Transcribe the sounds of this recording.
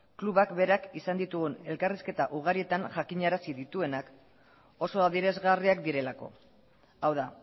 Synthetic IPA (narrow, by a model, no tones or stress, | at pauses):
kluβakbe̞ɾakisand̪it̪uɣune̞lkariske̞t̪aʔuɣ̞aɾie̞t̪aŋʝakiɲaɾasiðit̪ue̞nak | o̞so̞aðiɾe̞zɣariakd̪iɾe̞lako̞̰ | awða